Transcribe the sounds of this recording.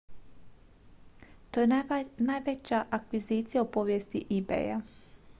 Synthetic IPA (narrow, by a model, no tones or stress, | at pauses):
t̪ojenajʋet͡ɕaʔakʋizit̪sijaopoʋjest̪iʔibḛːja̰